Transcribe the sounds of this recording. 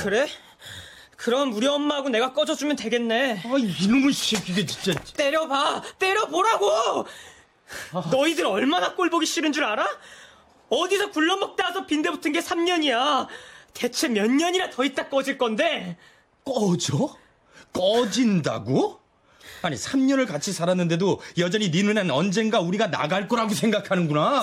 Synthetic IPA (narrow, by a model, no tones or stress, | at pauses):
kɯɾe̞ | kɯɾʌnuɾjiʌmːaɦaɡone̞ɡak͈ʌd͡ʑʌd͡ʑumjʌnt̬we̞ɡe̞nːe̞ainɯmɯnɕikiɡet͡ɕint͡ɕ͈at͈e̞ɾjʌbat͈e̞ɾjʌboɾaɡo | nʌidɯɾʌɭmanak͈oɭboɡiɕ͈iɾɯnd͡ʑuɾaɾa | ʌdisʰʌkuɭːʌmʌk̚t͈asʰʌpinde̞butʰɯnɡe̞sʰamɲʌɲijate̞t͡ɕʰe̞mjʌɲːʌɲiɾatʌit͈ak͈ʌd͡ʑiɭk͈ʌnde̞ | k͈ʌd͡ʑo | k͈ʌd͡ʑinda̰ɡo | aɲisʰamɲʌnɯɭkat͡ɕʰisʰaɾanːɯnde̞dojʌd͡ʑʌɲininɯnanʌnd͡ʑe̞nɡauɾiɡana̰ɡaɭk͈ʌɾaɡosʰe̞ŋɡakʰanɯnɡuna